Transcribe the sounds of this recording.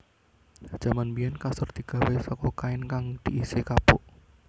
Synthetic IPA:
d̥ʒ̥a̤manbijɛnkasʊrt̪iɡ̥a̤wesɔkɔkaɪnkaŋd̪̥iʔisekapʊʔ

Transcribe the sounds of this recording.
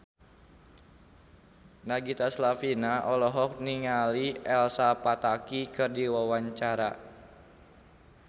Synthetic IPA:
naɡit̪aslafinaʔɔlɔɦɔk̚niŋaliɛlsapat̪akikɨrdiwawaɲt͡ʃaɾa

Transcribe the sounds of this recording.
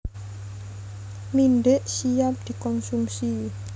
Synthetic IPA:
minɖeʔsijap̚d̪̥i̤kɔnsumsi

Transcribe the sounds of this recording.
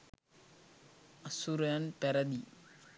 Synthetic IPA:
ɐsuɾjanpeɾɐd̪i

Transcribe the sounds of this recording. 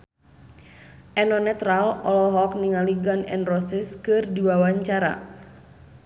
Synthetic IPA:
ʔɛnɔnɛt̪ɾalɔlɔɦɔkniŋaliɡanɛ̰nrɔsɪskɨrdiwawaɲt͡ʃaɾa̰

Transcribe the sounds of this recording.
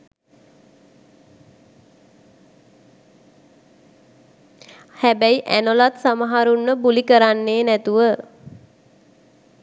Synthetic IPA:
hæbæiʔæ̰nolat̪samaɦaɾunːəbulikəɾanːeːnæt̪uʋə

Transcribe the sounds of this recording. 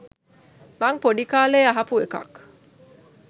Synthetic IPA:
maŋpoɖikaːleːaɦɐpuekɐ̰k

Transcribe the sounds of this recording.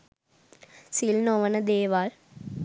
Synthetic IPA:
silnoːʋɐnɐd̪eːʋaːl

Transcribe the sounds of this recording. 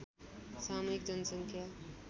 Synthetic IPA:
saːmjikd͡ʒʌnsəŋkʰja

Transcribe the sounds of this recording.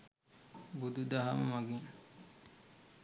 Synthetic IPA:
bud̪ud̪aɦamɐ̰maɡiŋ

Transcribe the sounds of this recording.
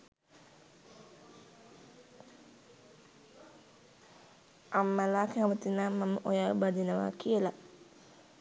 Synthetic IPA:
ʔamːalakaamət̪inamːaməʔojabad̪inəʋa̰kiəla

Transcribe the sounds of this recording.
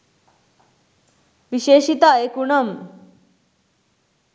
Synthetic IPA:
ʋiʃeːʃit̪aekuɳɐm

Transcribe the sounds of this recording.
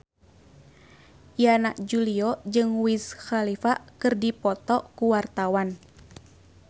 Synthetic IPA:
janaʔd͡ʒuliɔd͡ʒɨŋwisxalifakɨrdipɔt̪ɔʔkuwart̪awan

